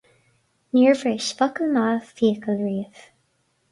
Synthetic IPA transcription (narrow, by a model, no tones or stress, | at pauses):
niːɹvɹeːʃfɔkəlmaːfiːkəlɹiːð̥